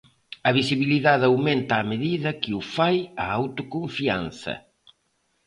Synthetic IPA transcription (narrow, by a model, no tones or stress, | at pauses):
ɐβisiβiliðaðawment̪aːmeðiðɐkɪufajaawt̪ʊkoɱfia̰n̟θɐ̰